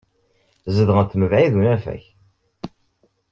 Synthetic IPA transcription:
zəðʁənt̪məvʕiðunæfæ̰ç

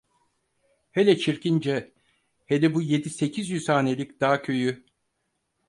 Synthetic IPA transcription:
helʲɛt͡ʃʰiɾcind͡ʒɛ | helʲɛbuje̞d̪ise̞cʰizjyz̥haːne̞lʲicd̪̥aːcʰø̞jy

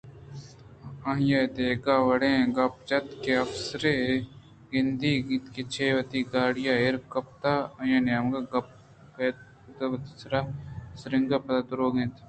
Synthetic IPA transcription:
ɐɦjed̪eːɡaːʋɐɽẽːɡɐp̚t͡ʃɐt̪keɐfsɾe | ɡɪnd̪iːɡit̪ket͡ʃʰeːʋɐt̪iɡaːɽijaeɾkɐp̚t̪aːɐjãːnjaːmɡaɡɐp̚ | ket̪̚ | t̪ɐɐt̪sɾaːsɾɪŋɡɐpɐt̪ad̪ʊɾoːɡẽːt̪

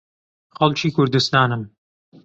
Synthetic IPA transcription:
xɐlˠt͡ʃʰiːkʰʊɾd̪ust̪aːnɨm

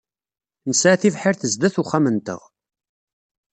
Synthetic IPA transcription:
nəsʕaθivħɪɾθəzd̪æθuχæmənt̪ə̰ʁ

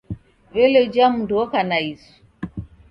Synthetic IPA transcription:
veled͡ʒamdɔkanaisu̥

